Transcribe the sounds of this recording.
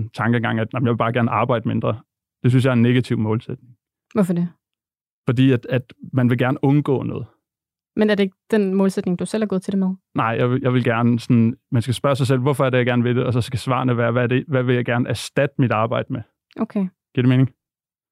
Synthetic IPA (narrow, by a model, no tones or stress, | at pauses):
t͡sʰɑ̈ŋɡ̥əŋɡɑ̈ŋ̰æd̥nɑm̩jɪʋe̝b̥ɑ̈ːɡ̥æɐnəʔɑ̈ːb̥ɑ̈ɪ̰d̥əme̝nd̥ʁɐ | d̥e̝s̬ynsjɑ̈ɪɐenːe̝ɡ̥æt͡sʰiʊmɔ̽ːlsed̥ne̝ŋ | ʋɔfɒde | fɒ̽d̥ḭːæd̥æd̥mænʋe̝ɡ̥æɐnəʔɔ̽nɡ̥ɔ̰̽ːnɔ̰̽ːð̩ˠ | menæɐdeeɡ̥əd̥enmɔ̽ːlsed̥ne̝ŋd̥usel̰æɐɡ̥ɔːð̩ˠt͡sʰed̥emeðˠnɑ̈ɪ̰jɑ̈ɪʋejɑ̈ɪʋe̝lɡ̥æɐnəsɔnmænsɡ̥æsb̥ɶɐs̬ɑ̈ɪsel̰ʋɒfɒæɐ̥ejaɡ̥æɐnəʋe̝d̥e̝ʔɒ̽sɒ̽sɡ̥æsʋɑ̰̈ːnəʋæːɐʋæɐde̝ʋæʋe̝ljɑɪɡ̥æɐnəæsd̥æd̥əmid̥ɑ̈ːb̥ɑ̈ɪ̰d̥əme | ʔokʰeɡ̥iɐɾ̥eme̝ːne̝ŋ